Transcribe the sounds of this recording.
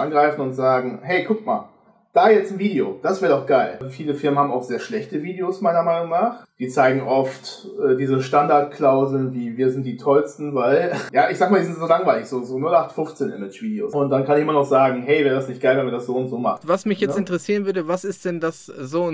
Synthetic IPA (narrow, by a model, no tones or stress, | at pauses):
ʔanɡʁaɪfn̩ʊntz̥aːɡŋ̩ɦɛɪkʰʊk̚ma̰ːl | d̥aːjɛt͡sn̩viːdeo̰d̥asvɛːɐdɔʊxɡ̥aɪlfiːləfɪɐmənhaːm̩aʊxz̥eːɐʃlɛçtəviːdeosmaɪnɐmaɪnʊŋnaːχd̥iːt͡saɪɡŋ̩ʔɔftʔɛːdiːzəʃtandaɐtkʰl̥aʊzl̩nviːviːɐzɪnt̚d̥iːtʰɔlstn̩vaɪljaːʔɪçz̥aːɡ̚əmaːdizɪntz̥oːlaŋvaɪlɪçz̥oːzoːnʊlʔaχtfʊft͡seːnʔɪ̰mɪt͡ʃv̥iːdeo̰ːsʊnt̚d̥ankʰanɪçʔɪmɐnɔχz̥aːɡŋ̩ɦɛɪvɛːʁədasnɪçt̚ɡ̥aɪlvɛnmiɐdasz̥oːʊntz̥oːma̰χvasmɪçjɛt͡stɪntəʁɛsiːʁənvʏɐdəvasɪstd̥ɛndaszoː